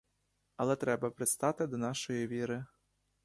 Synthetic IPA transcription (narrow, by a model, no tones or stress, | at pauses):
ɐlˠɛt̪ɾɛbɐpɾɪst̪ɑt̪ɪd̪ɔnɑʃɔjiʋʲiɾɪ